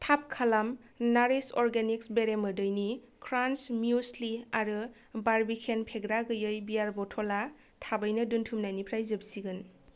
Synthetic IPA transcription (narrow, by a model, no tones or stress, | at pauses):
tʰap̚kʰalam | naɾisɔɾɡeniksbeɾemɯdɯjni | kʰɾansmjusliaɾɯ | baɾbikʰenpʰeɡɾaɡɯjɯjbijaɾbɔtʰɔla | tʰabɯjnɯduntʰumnajnipʰɾajzɯbsiɡɯn